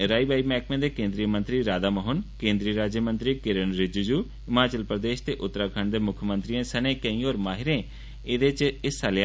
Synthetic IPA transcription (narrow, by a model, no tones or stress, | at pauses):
ɾaːiːbaːiːmɛːkmẽːd̪eːkẽːnd̪ɾiːmənt̪ɾiːɾaːd̪aːməɦʊnkẽːnd̪ɾiːɾaːd͡ʒjəmə̃nt̪ɾiːkɪɾənɾɪd͡ʒuːd͡ʒuː | ɪmaːt͡ʃəlpɾəd̪eːʃt̪eːʔʊt̪ːɾaːkʰəɳd̪eːmʊkʰmə̃nt̪ɾiẽːsənẽːkə̃ĩːoːɾmaːɦɪɾẽː | ed̪eːt͡ʃɪsalj